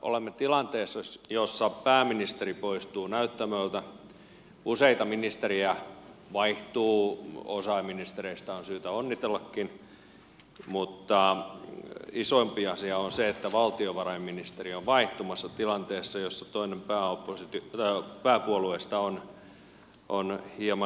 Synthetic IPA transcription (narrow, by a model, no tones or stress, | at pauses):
ʔo̰lemːet̪ilɑnt̪eːsːɑjosːɑpæːminist̪eripoist̪uːnæyt̪ːæmølt̪æ | useit̪ɑminist̪erijæʋɑiht̪uːosɑiminist̪ereist̪ɑonsyːt̪æonːit̪elːɑkːin | mut̪ːɑ | isoimpiɑsiɑonseet̪ːæʋɑlt̪ioʋɑrɑimminist̪erioʋʋɑiht̪umɑsːɑt̪ilɑnt̪eːsːɑjosːɑt̪oinempæːopːosit̪ːpæːkuoluest̪ɑon | ʔonhiemɑ